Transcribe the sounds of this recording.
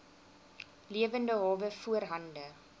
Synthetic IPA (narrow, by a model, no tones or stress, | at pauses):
liəvəndəɦɑːvəfuərɦɐndə